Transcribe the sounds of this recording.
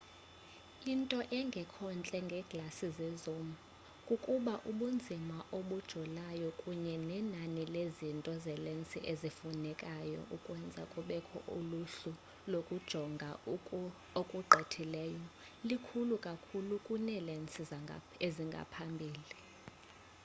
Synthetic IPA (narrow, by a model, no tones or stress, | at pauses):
intʼɔʔɛŋɡʱɛkʰɔnt͡ɬʼɛŋɡʱɛɡ̥lasizɛzumu | kʼukʼuɓaʔuɓund͡zʱimaʔoɓud̥ʒ̥ʱɔlajɔkʼuɲɛnɛnanilezintʼɔzɛlent͡sʼiʔezifunɛkʼajɔ̰ʔukʼwɛnd͡zʱakʼuɓɛkʰɔ̰ʔuluɬu | lokʼud̥ʒ̥ʱɔŋɡʱa | okʼuɡ͡ǃʱɛtʰilɛːjɔ | likʰulukʼakʰulukʼunɛlɛnt͡sʼi | eziŋɡʱa̰pʰambʱiːli